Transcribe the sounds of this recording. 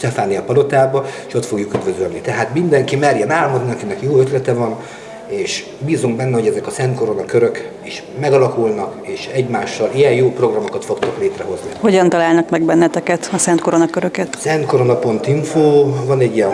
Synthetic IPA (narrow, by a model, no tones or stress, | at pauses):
ʃt̪ɛfaːnːiɒpɒlo̞t̪aːbɒeʃo̞t̪fo̞ɡjukyd̪vø̞zølnit̪ɛɦaːt̪mind̪ɛŋkimɛrjɛnaːlmod̪niɒkinɛkjoːøt̪lɛt̪ɛvɒn | eːʃ | biːzuŋɡbɛnːɛho̞ɟɛzɛkɒsɛnt̪ko̞ɾo̞nɒkøɾø̞k | iʃ | mɛɡɒlɒkulnɒkeːʃɛɟmaːʃːɒlijɛnjoːpro̞ɡrɒmo̞kɒt̪fo̞kt̪ɒkleːt̪rɛɦo̞zniho̞ɟɒnt̪ɒlaːlnɒkmɛɡbɛnːɛt̪ɛkɛt̪ɒsɛnt̪koɾo̞nɒkøɾøkɛt̪sɛnt̪ko̞ɾo̞nɒpo̞nt̪iɱfoːvɒnɛɟːijɛn